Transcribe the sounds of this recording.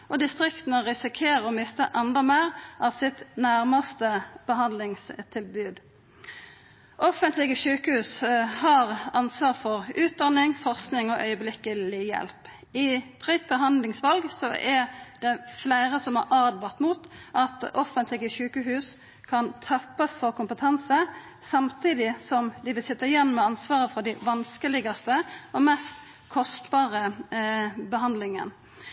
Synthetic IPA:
ʔɔd̪ɪst̪ʁɪkt̪nɔʁɪsɪkʰeːʁəɔmɪst̪əʔɑnd̪əmæʁɑsɪt̪næʁmɑst̪əb̥əɦɑnd̪lɪŋst̪ʰɪlbʉːd̪ | ʔɔfənt̪lɪɡəʃʉːkəhʉːshɑʁɑnsʋɑːʁfɔʁʉːt̪̚d̪ɑnɪŋfɔʁsknɪŋɔʔœ̰ʏəblɪkəlɪjɛ̰lp | ɪpʰʁit̪̚bəɦɑnd̪lɪŋsʋɑlɡsɔʔɛd̪ɛflæɪɾəsɔmɑ̰ɾɑːd̪bɑʁt̪muːt̪ʔɑt̪ɔfənt̪ʰlɪɡəʃʉːkəɦʉːs | kʰɑnt̪ʰɑpːɑsfɔɾkʊmpət̪ʰɛnsə | sɑmt̪ʰiːd̪ɪsɔmd̪ɪʋɪlsɛt̪ːɑɪjɛnːmɛɑnsʋɑːʁəfɔd̪æɪʋɑnskəlɪɡɑst̪əɔmɛst̪ | kʰɔst̪bɑːʁə | bəɦɑnd̪lɪŋə̰n

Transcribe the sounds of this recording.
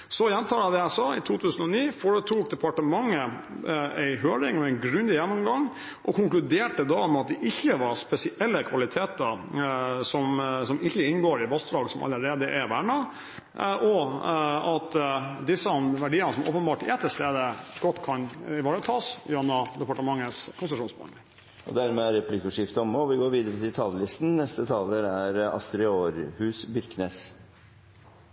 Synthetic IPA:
sɔjɛnt̪ʰɑːlɑd̪ɛjæɪsɑːɪt̪ʰuːt̪ʰʉːsənɔniːfoːɾət̪ʰuːk̚d̪ɛpʰɑʈəmɑŋːə | æɪɦøːɾɪŋɔɛɪnɡɾʉnd̪ɪjɛnːɔmɡɑŋ | ʔɔkʰʊŋklʉd̪eːʈəd̪ɑɔmɑt̪̚d̪ɛʔɪçːəʋɑɾspɛsɪʔɛlːəkʰʋɑlɪt̪ʰeːt̪əɾ | sɔmsɔmɪçːəɪnːɡoːɾɪʋɑst̪ɾɑːɡsɔmʔɑ̰lːəɾeːd̪əʔæʋæɳɑ | ʔɔ | ɑt̪d̪ɪsːəmʋæɖiːənəsɔmʔo̰ːpənbɑːʈɪɛt̪ːəst̪eːd̪əɡ̥ɔt̪ːkʰɑnɪʋɑːɾət̪ʰɑːsɑnːɑd̪ɛpɑʈəmɑŋːəskʰʊnsʂuːnsbɑ̰nlɪŋ | ɔ̰d̪æɾmeæɾɛplɪkʊʂɪft̪əɔmɔʋɪɡoːɾʋiːd̪əɾət̪ʰɪlt̪ʰɑːlːəlɪst̪n̩nɛst̪ət̪ʰɑːləɾæɾɑ̰st̪ɾɪoːɾhʉːsbʏɾkneːs

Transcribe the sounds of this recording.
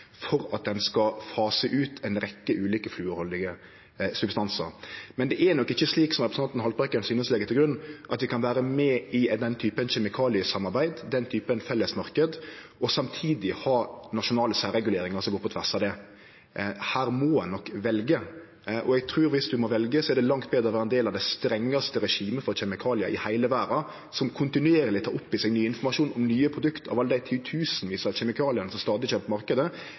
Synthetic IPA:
fɔɾɑt̪̚d̪ɛnskɑfɑːsəʔʉːt̪ʰɛnɾɛkːəʔʉːliːkəflʉːɔlɪɡə | sʉbst̪ɑnsə̰ɾmɛnd̪ɛʔɛnɔkːɪçːəsliːksɔmʁɛpɾəsɑt̪nɦɑlpbʁɛkːəɾənsyːnəslɛːɡət̪ɪlɡɾʉnːʔɑt̪ʋɪkʰɑnʋæːɾəmɛɪd̪ɛnt̪ʰyːpənçɛmɪkʰɑːlɪəsɑmːɑɾbæɪd̪d̪ɛnt̪ʰyːpənfɛlːəsmɑɾkəd̪ɔsɑmt̪ʰiːd̪ɪhɑːnɑʃʊnɑːləsæːɾɛɡʉleːɾɪŋəɾsɔmɡoːpʰɔt̪ʰʋæʁʂɑd̪ɛ | hæːɾmɔɛnɔkːʋɛlɡə | ʔɔ̰ɛɡ̚t̪ʰɾʉːɾʋɪsd̪ʉmɔʋɛlɡəsɔæɾɖ̪ɛlɑŋt̪̚beːd̪ɾəʋæːɾɛnd̪eːlɑʋd̪æɪst̪ɾɛŋːɑst̪əɾɛʂiːməfɔɾçɛmɪkʰɑːlɪɑʔɪhæɪləʋæːɾɑ | sɔmkʰʊnt̪ɪnʉeːɾlɪt̪ʰɑ̰ːʊpːɪsɛɡnyːɪnfɔɾmɑʂuːnɔmnyːəpʰɾʊd̪ʉkt̪ʰɑ̰ʋɑləd̪æɪt̪ʰɪt̪ʰʉːsənʋiːsɑɕɛmɪkʰɑːlɪɑnəsɔmst̪ɑːd̪ɪçøːmp̪əmɑɾkəd̪ə

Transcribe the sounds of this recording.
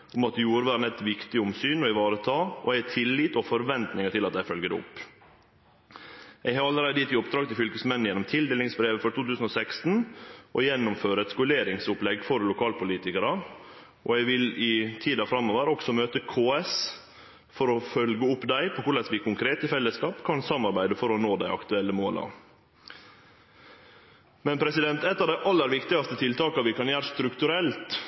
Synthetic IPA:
ʔʊmɑt̪juːɾəʋæːɾnɛt̪ʋɪkt̪ɪʊmsyːnɔɪʋɑːɾət̪ʰɑːʔɔ̰ɛt̪ʰɪlːiːt̪ɔfɔɾʋɛnt̪nɪŋəʈʰɪlɑt̪̚d̪æɪfœlɡəd̪ɛ̰ʊ̰pː | ʔɛɡhɑːɾɑlːəɾæɪd̪əɪt̪ːɪʊp̚d̪ɾɑːɡ̚t̪ɪlfʏlkəsmɛnn̩jɛnːɔmt̪ʰɪld̪eːlɪŋsbɾeːʋəfɔɾʈʰuːt̪ʰʉːsən̩ɔsɛkst̪n̩ʔɔjɛnːʊmføːɾəɛt̪skʊleːɾɪŋsʊplɛɡfɔɾlʊkʰɑːlpʰʊliːt̪ɪkəɾə | ʔɔɛɪʋɪlɪt̪ʰiːd̪ɑfɾɑmːoːʋəɾɔksɔmøːt̪əkʰoːɛs | fɔɾɔfœlɡəʊpːd̪æɪpʰɔkʊɭɛsʋɪkʊŋkʰɾeːt̪ɪfɛlːəskɑːpkʰɑnsɑmːɑɾbæɪd̪əfɔɾɔnoːd̪æɪʔɑ̰kt̪ʉɛlːəmoːlʔɑ̰ | mɛnpʰɾɛsɪd̪ɛnt̪ɛt̪ːɑʋd̪æɪʔɑlːəɾʋɪkt̪ɪɡɑst̪ət̪ʰɪlt̪ʰɑːkɑʋɪkʰɑnjæːɾəst̪ɾʉkt̪ʉɾɛlt̪

